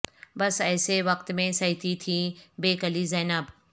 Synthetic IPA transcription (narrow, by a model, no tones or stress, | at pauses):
bɐsɐːseʋɐkt̪mẽsɐit̪ʰit̪ʰibeːkɐlizɛːnaːb